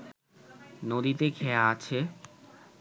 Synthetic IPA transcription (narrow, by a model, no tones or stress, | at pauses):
nod̪it̪ekʰɛaat͡ɕʰe